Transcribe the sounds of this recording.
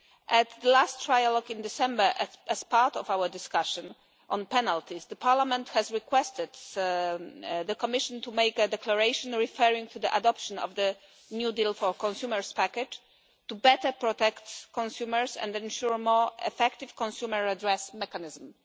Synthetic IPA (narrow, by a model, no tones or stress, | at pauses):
ʔɛt̪ðəlastːɹajalɔɡĩnd̪ɪsɛ̃mbə˞ʔʔɛspaɹt̪ɔvawədɪskaʃɔ̃n | ʔɔ̃npɛnalt̪isd̪əpʰaɹlamɛ̃nt̪hɛzɹikwɛst̪ɪd̪ | ðəkɔmɪʃɔ̃nt̪umejkɛd̪ɛklaɹejʃɔ̃nɹifɛɹĩŋt̪ʰud̪iʔad̪ɔpʃɔ̃nɔ̰vd̪ə | njud̪ilfɔɹkɔ̃nsjuməɹspakɛt | tːubɛt̪əpɹɔt̪ɛkt̪kɔ̃nsjuməɹsɛ̰̃nd̪ɛ̃nʃuɹmɔɹɛfɛkt̪iv̥kɔ̃nsjuməɹadɹɛsmɛkanɪzm̩